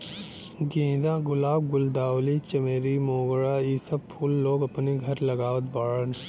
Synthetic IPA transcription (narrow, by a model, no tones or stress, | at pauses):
ɡẽːd̪ãːɡʊlaːbɡʊld̪aːwlit͡ʃɐmeːɾimoːɡɭaiːsɐb̚pʰʊlːoːɡɐpniɡʱɐɾlɐɡaːʋət̪̚baːɭən